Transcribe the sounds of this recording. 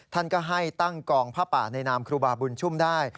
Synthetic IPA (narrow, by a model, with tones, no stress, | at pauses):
t̪ʰa˥˩nkɔː˥˩ɦa˥˩jt̪a˥˩ŋkɔː˧ŋpʰaː˥˩pa̰ː˨˩na˧jnaː˧mkʰɾuː˧baː˧bu˧nt͡ɕʰu˥˩mdaː˥˩j